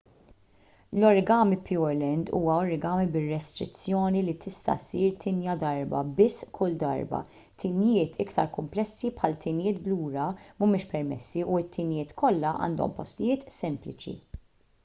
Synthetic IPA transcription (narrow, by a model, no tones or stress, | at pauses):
lɔɾɡɐːmipʰjuɾlɛnd̪ṵːwɐɔɾɡɐːmbɪrːɛst̪ɾɪ̰t͡sːjɔːnilit̪ʰɪst̪ɐ̰siːɾt̪ʰɪnjɐd̪ɐɾbɐ̰bɪsːkʰʊld̪ɐ̰ɾbɐ̰ | t̪ʰɪnjɪːt̪ʰɪkt̪ɐɾkʊmplɛsːipħɐlt̪ʰɪnjɪːt̪bluːɾɐmʊmɪːʃpɛɾmɛ̰sːiʔuɪt̪ʰːɪnjɪːt̪kʰɔlːɐʔɐ̰ːnd̪ɔ̰mpɔst̪ɪjɪːt̪sɛmplɪt͡ʃḭ